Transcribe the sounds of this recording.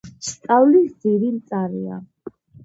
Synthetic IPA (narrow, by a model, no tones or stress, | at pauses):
st̪ʼawlisd̪iɾilt̪sʼaɾia̰